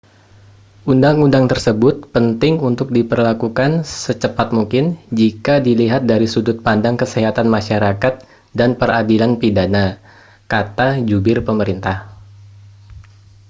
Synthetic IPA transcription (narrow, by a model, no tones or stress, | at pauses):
ʔundaŋundaŋt̪ərsəbʊt̪̚pənt̪ɪŋunt̪ʊk̚dipərlakukansət͡ʃəpat̪̚muŋkɪnd͡ʒikadiliɦat̪̚daɾisudʊt̪̚pandaŋkəseɦat̪anmaʃaɾakat̪̚ | danpəradilanpidana | kat̪ad͡ʒubɪrpəməɾint̪ah